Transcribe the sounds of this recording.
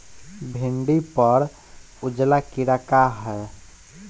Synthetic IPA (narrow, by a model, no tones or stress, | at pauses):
bʱiɳɖipəɾ | ud͡ʒlakiɾakaɦɛ